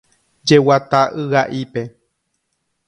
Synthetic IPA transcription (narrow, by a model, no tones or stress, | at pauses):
d͡ʒewat̪aʔɨɣaʔipe̞